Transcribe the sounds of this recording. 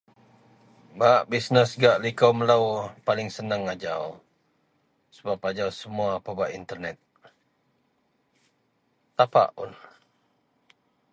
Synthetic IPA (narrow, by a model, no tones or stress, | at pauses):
baʔbisnəsɡaʔlikawmələwpalɪŋsənəŋad͡ʒaw | səbapad͡ʒawsəmuaːpabaʔint̪ərnɛt̪̚ | t̪apa̰ʔun